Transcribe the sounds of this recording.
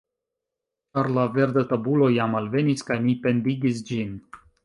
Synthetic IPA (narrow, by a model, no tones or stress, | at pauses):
t͡ʃaɾlave̞ɾd̪at̪abulo̞jamalve̞niskajnipe̞nd̪iɡis̬d͡ʒin